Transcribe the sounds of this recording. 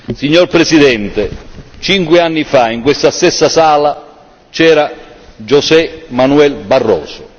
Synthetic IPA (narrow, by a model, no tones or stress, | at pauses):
siɲːorpɾesid̪ɛnt̪et͡ʃiŋkwɪanːifaiŋkwest̪ast̪ɛsːasaːla | t͡ʃɛːɾad͡ʒosɛmanuɛlbarːɔːsʊ